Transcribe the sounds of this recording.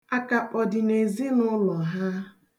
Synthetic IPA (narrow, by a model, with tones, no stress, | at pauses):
a˦ka˨k͡pɔ˨dɪ˨ne˨zi˦nʊ˦lɔ˨ɦa˦